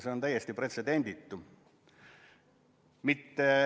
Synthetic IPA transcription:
seo̞nt̪æjːest̪ipre̞t̪se̞d̪e̞nʲd̪̥it̪ːu | mit̪ːe

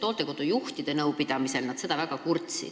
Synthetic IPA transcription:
t̪olt̪ːˑe̞ko̞d̪̥ujuht̪id̪e̞nɤwpid̪̥ɑmise̞lnɑd̪se̞d̪ɑvæɡ̥ɑkurt̪sḭ̥

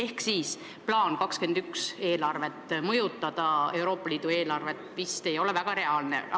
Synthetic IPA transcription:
e̞hksiːs | plɑːnkɑkske̞nd̪̥ykse̞ːlɑrve̞t̪ːˑmɤjut̪ːˑɑd̪̥ɑe̞wɾo̞ːpːˑɑliːd̪̥ue̞ːlɑrve̞t̪ːˑvist̪e̞jo̞levæɡ̥ɑɾe̞ɑlnḛ

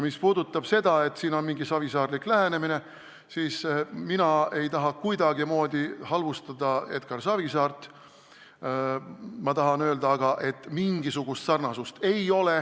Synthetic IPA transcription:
mispuːd̪ut̪ːˑɑb̥se̞d̪̥ɑe̞t̪siːno̞nmiŋɡisɑvisɑːɾd̪liklæɦe̞ne̞mine̞ | siːsminɑe̞jt̪ɑɦɑkujd̪̥ɑɡimo̞ːd̪̥ʲihɑlvust̪ɑd̪̥ɑe̞t̪̚kɑrsɑvisɑːrt̪ˑ | mɑt̪ɑɦɑnø̞ːld̪ɑːɡ̥ɑʔe̞t̪ːˑmiŋɡisuɡ̥ust̪sɑrnɑsust̪e̞jo̞le̞

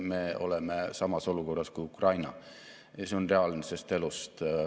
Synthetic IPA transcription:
me̞o̞̰lemesɑmɑso̞luko̞rːɑskujukrɑjnɑ | ɑse̞o̞nre̞ɑlnise̞st̪e̞lust̪

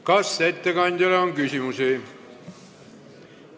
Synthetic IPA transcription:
kɑsːet̪ːekɑnʲt̪elɑoŋkysimusiː

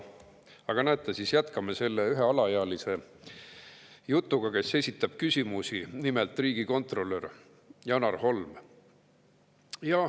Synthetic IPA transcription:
ɑɡ̥ɑnæt̪ːˑɑsisjæt̪kɑmese̞lːeyɦe̞ɑlɑjeɑlise̞ | jut̪ːˑuɡ̥ɑke̞sːe̞sʲit̪ːˑɑb̥̚kysʲimusinimelt̪ˑriːɡ̥iko̞nt̪ˑro̞lːør | jɑnɑrho̞lm | jɑ

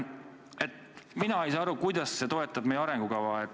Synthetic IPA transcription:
e̞t̪ | minɑejsɑːɑɾukujd̪ɑsːe̞t̪o̞e̞t̪ːˑɑb̥̚mejeɑɾɛŋɡ̥ukɑvɑet̪

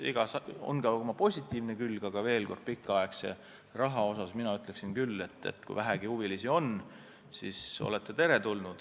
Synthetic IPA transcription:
ḭɡ̥ɑsɑo̞̰nɡɑomɑpo̞sʲit̪ːˑiːvnekylɡ̥ɑɡ̥ɑve̞ːlko̞rd̪̥̚pikːˑɑekse̞̰ | rɑɦɑo̞sɑsminɑyt̪ːˑle̞ksinkylːe̞t̪ːe̞̰t̪ːˑkṵvæɦæɡ̥ihuvilisio̞n | siso̞̰le̞t̪ːet̪e̞ɾe̞t̪ulnud̪̥

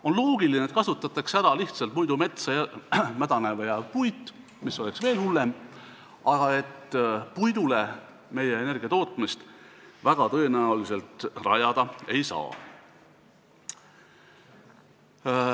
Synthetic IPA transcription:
o̞nlo̞ːɡ̥ilinet̪̚kɑsut̪ːˑɑt̪ːˑɑkseæɾɑliht̪sɑlt̪̚mujd̪ume̞t̪sɑɑmæd̪̥ɑnevɑjɑpujt̪ːˑ | misːo̞le̞ksve̞ːlhulːem | ɑɡ̥ɑe̞t̪pujd̪̥ule̞ | me̞jeːne̞rɡ̥iɑt̪o̞ːt̪ːˑmist̪væɡ̥ɑt̪ɤ̞enæulise̞lt̪rɑjɑd̪̥ɑe̞jsɑ̰ː

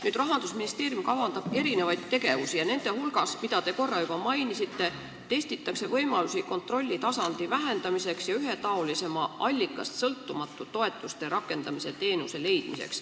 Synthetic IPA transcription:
nyːd̪rɑɦɑnd̪̥usminist̪e̞ːɾijumkɑvɑnd̪̥ɑb̥e̞ɾine̞vɑjd̪t̪ːe̞ɡe̞vusijɑne̞nd̪̥e̞hulɡ̥ɑsmid̪̥ɑt̪e̞ko̞rːɑjub̥ɑmɑjnisit̪ːe̞ | t̪e̞st̪it̪ːˑɑkse̞vɤ̞jmɑlusiko̞nt̪ro̞lʲːit̪ɑsɑnd̪̥ivæɦe̞nd̪ɑmise̞ksjɑyɦe̞t̪ɑo̞lise̞mɑʔɑlʲːikːˑɑ̰st̪sɤlt̪ːumɑt̪ːˑut̪o̞e̞t̪ːˑust̪e̞ɾɑkːˑe̞nd̪ɑmise̞t̪e̞ːnuse̞le̞jd̪̥mise̞̰ks

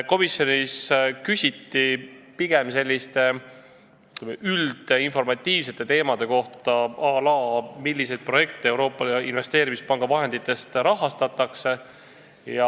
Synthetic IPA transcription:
ko̞misjo̞niskysʲit̪ːipiɡ̥e̞mse̞lʲːist̪e̞ | mʔyld̪̥einfo̞rmɑt̪ʲːˑiːvs̬e̞t̪ːˑe̞t̪e̞ːmɑd̪̥e̞ko̞ht̪ɑɑlɑːmilʲːise̞jd̪̚pro̞je̞k̚t̪ee̞wɾo̞ːpːˑɑḭnve̞st̪e̞ːɾimispɑŋɡ̥ɑvɑɦe̞nd̪̥it̪ːˑe̞st̪ɾɑɦɑst̪ɑt̪ːˑɑkse̞ | jɑ

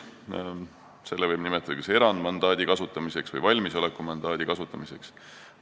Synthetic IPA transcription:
se̞lːevɤjbnimɛt̪ːˑɑd̪̥ɑkɑse̞ɾɑnd̪mɑnd̪ɑːd̪̥ʲikɑsut̪ːˑɑmiseksvɤ̰jvɑlʲmiso̞lekːˑumɑnd̪ɑːd̪̥ikɑsut̪ːˑɑmise̞ks

